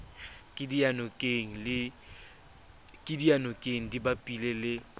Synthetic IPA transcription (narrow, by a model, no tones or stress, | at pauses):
kʼɪdianɔkʼeŋ̩lɪ | kʼɪdianɔkʼeŋ̩dibapʼilelɪ